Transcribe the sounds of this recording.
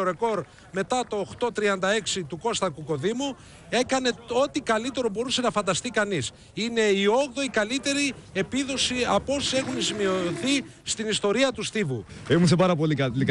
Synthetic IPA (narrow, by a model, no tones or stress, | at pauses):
oɾe̞ko̞ɾ | me̞t̪ɐt̪o̞ːxt̪o̞t̪ɾiɐnd̪ɐe̞ksit̪uko̞st̪ɐkuko̞ðimu | e̞kɐne̞o̞t̪ikɐlit̪e̞ɾo̞bo̞ɾuse̞nɐfɐnd̪ɐst̪ikɐnis | ine̞io̞ɣðo̞ikɐlit̪e̞ɾie̞piðo̞siɐpo̞sie̞xunzimio̞θist̪inist̪o̞ɾiɐt̪ust̪ivuemusepɐɾɐpo̞likɐli